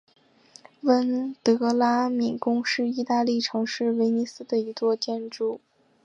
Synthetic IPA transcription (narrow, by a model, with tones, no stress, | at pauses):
wə˥nt̪ɤ˧˥la˥mi˨˩kʊ˥ŋʂɻ̩˥˧i˥˧t̪a˥˧li˥˩ʈ͡ʂʰɤ˧˥ŋʂɻ̩˥˩we˧˥ɪni˧˥sɹ̩˥d̪ə˨i˧˥t͡swɔ˥˧t͡ɕjɛ˥˧nʈ͡ʂu˥˩